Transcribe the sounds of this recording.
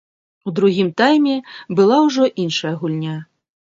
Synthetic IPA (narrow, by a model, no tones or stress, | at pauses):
ud̪ɾuɣʲimt̪ajmʲɛbɨlˠawʐɔʔinʂɐjɐɣulʲnʲa